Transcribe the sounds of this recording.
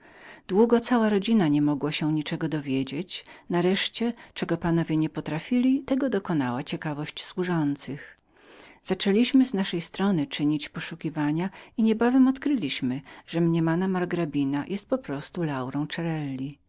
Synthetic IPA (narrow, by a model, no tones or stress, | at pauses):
d̪wuɡɔt̪sawaɾɔd͡ʑinaɲɛmɔɡwɔɕɛɲit͡ʂɛɡɔd̪ɔvʲjed͡ʑet͡ɕnaɾɛʂt͡ɕɛt͡ʂɛɡɔpan̪ɔvʲjɛɲɛpɔt̪ɾafʲilʲit̪ɛɡɔd̪ɔkɔnawat͡ɕɛkavɔɕt͡ɕswuʐɔnt̪sɘx | z̥at͡ʂɛlʲiɕmɘznaʂɛjst̪ɾɔnɘt͡ʂɘɲit͡ɕpɔʂukʲivaɲaiɲɛbavɛmɔt̪kɾɘlʲiɕmɘʐ̥ɛmɲɛmanamaɾɡɾabʲinajʔɛst̪̚pɔpɾɔst̪ulawɾɔ̃w̃t͡ʂɛɾɛlʲːi